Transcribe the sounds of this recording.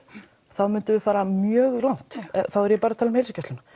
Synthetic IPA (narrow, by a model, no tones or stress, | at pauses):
θawmʏnt̪ʏvɪfaːɾamjœːɣrawn̥t̪θawɛɾjɛpaːɾat̪ʰaːlʏmhejls̬cɛst̪lʏna